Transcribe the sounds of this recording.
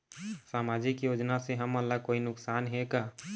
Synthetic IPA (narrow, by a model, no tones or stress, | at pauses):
saːmad͡ʒikjod͡ʒnaseɦəməlːakoinʊksanɦeka